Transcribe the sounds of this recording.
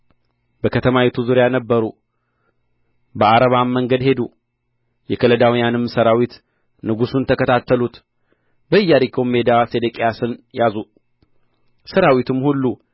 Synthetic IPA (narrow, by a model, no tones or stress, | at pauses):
bəkʰət̪ʰəmawit̪ʰuzuɾjanəbːəɾu | bəaɾəβamːəŋɡəd̪he̞d̪u | jɛkʰələd̪awijanɨmːsəɾawit̪ | nɨɡusunt̪ʰəkət̪ʰat̪ːəlut̪ | bəɨjːaɾikʰome̞d̪ased̪əkʼejasɨnjazu | səɾawit̪ʰɨmhulːu